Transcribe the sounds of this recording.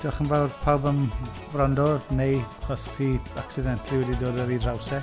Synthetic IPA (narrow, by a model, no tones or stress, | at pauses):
d̥ɪaχənvawrpʰawbən | vrɔndɔnejɔskʰiːaksidɛntʰlˠiwɛdidoːdɛɾidrawsɛ